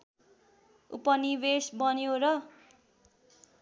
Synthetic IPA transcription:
ṵpʌnibesbʌnjoɾʌ

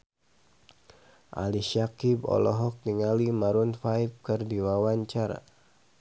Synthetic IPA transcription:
ʔa̰liʃakibɔ̰lɔɦɔk̚diŋalimaɾunfaip̚kɨrdiwawaɲt͡ʃaɾa̰

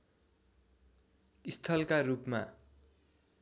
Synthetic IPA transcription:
ist̪ʰʌlkarupma

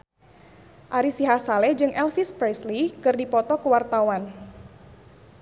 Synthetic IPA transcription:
ʔaɾisiɦasalɛd͡ʒɨŋʔɛlfispɾɛslikɨrdipɔt̪ɔkəwart̪awan

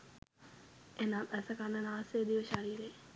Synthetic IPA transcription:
enaːt̪ɛsəkanːənaːseːd̪iʋəʃaɾiːɾe

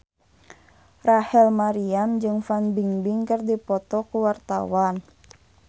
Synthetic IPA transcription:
rahɛlmaɾiamd͡ʒɨŋfanbiŋbiŋkərdipɔt̪ɔkuwart̪a̰wan

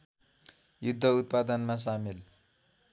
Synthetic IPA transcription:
jud̪ʱːʌut̪̚pad̪ʌnmas̬amil

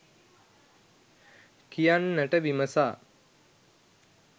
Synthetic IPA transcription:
kijanːəʈəʋiməsaː

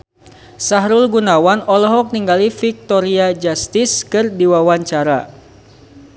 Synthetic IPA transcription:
saɦɾʊlɡunawanɔlɔɦɔk̚niŋɡalifik̚t̪ɔɾiad͡ʒast̪ɪskɨrdiwawaɲt͡ʃaɾa̰

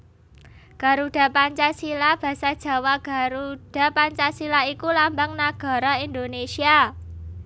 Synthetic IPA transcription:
ɡ̥a̤ɾuɖ̥a̤paɲt͡ʃasilab̥ä̤sad̥ʒ̥ä̤waɡ̥a̤ɾud̥a̤paɲt͡ʃasilaikulambaŋnaɡ̥a̤ɾɔind̪onesia

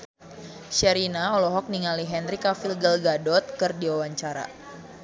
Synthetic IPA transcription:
ʃɛɾinaɔlɔɦɔk̚niŋaliɦɛnrikafilɡəlɡadɔt̪̚kɨrdiwawaɲt͡ʃaɾa̰

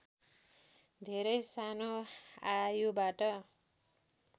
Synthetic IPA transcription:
d̪ʱeɾʌjsanoajobaʈʌ

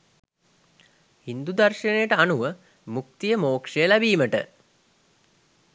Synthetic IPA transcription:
hind̪ud̪arʃənejəʈəanuʋə | muk̚t̪ijəmoːkʂejəlæbiːməʈə

